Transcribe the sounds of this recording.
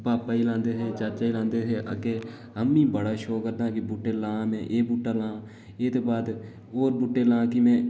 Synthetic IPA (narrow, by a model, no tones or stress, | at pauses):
paːpːaːiːlãːnd̪eːseːt͡ʃaːt͡ʃaːiːlãːnd̪eːseːʔə̰keː | əmːĩːbəɽaːʃoːkəɾd̪ãːkɪbʊʈːeːlãːmɛ̃ːʔeːbuʈːaːlãː | eːt̪oːbaːd̪ | oːɾbʊʈːeːlãːkɪmɛ̃ː